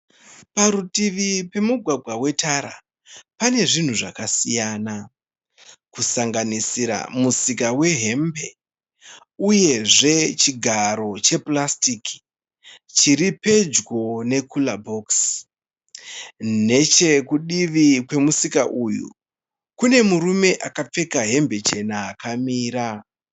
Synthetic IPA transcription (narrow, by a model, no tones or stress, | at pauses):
paɾutiʋipe̞muɡʱwaɡʱwawe̞tʰaɾa̰ | pane̞ʐin̤uʐakasijaːna | kusaŋɡanisiɾa̰musikawe̞ɦe̞mbe̞ | uje̞ʐe̞t͡ʃiɡʱaɾo̞t͡ʃe̞plastiki̥ | t͡ʃiɾipe̞d͡ʒɡo̞ne̞kʰulabʱoks | ne̞t͡ʃe̞kuɗiʋikwe̞musikaʔujṵ | kune̞muɾume̞ʔakap͡fe̞kaɦe̞mbe̞t͡ʃe̞naːkamiːɾa